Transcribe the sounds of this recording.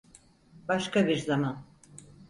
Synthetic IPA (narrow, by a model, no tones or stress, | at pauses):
baʃkabiɾzaman